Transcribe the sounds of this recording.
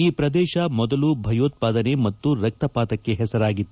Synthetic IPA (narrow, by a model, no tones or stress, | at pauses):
iːpɾɐd̪ɛːʃɐmɔd̪ɐlubʱɐjoːt̪̚paːd̪ɐne̞mɐt̪ːuɾɐk̚t̪ɐpaːt̪ɐkːeɦɛsɐɾaːɡit̪ː